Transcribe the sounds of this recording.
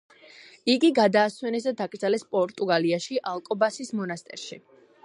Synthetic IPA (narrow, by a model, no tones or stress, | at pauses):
iɡiɡad̪aːswɛnɛsd̪ad̪akʼd̪zalɛspʼɔɾt̪ʼuɡaliaʃiʔalˠkʼɔbasismɔnast̪ʼɛɾʃi